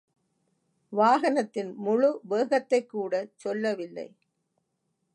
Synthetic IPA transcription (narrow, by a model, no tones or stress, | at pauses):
ʋaːɣɐnɐt̪ːɪnmʊɻʊbeːɣɐt̪ːɐɪkːuːɽɐt͡ʃɔlːɐʋɪlːɐ̰ɪ